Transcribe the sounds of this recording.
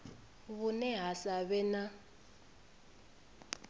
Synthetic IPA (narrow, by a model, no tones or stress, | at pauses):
βunɛɦasaβɛna